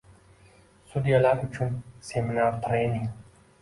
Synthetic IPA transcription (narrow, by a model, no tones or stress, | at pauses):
sud̪iɐlaːkut͡ɕʰunseminaːɾt̪ʰɾeːniŋ